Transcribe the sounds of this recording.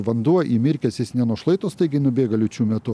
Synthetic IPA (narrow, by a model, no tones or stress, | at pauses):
ʋɐnd̪uɔʔiːmʲɪɾʲkʲɛsʲɪsnʲɛnuɔʃlˠɐɪt̪oːst̪ɐɪɡʲɪnʊbʲeːɡɐlʲʊt͡ʃʲuːmʲɛt̪ʊ